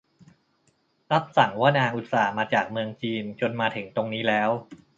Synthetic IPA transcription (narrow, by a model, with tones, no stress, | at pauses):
ɾa˦˥p̚sa˩˦ŋwaː˥˩naː˧ŋʔu˨˩t̪̚saː˩˦maː˧t͡ɕaː˨˩k̚mɯ˧əŋt͡ɕiː˧nt͡ɕo˧nmaː˧t̪ʰe˩˦ŋt̪o˧ŋniː˦˥lɛː˦˥w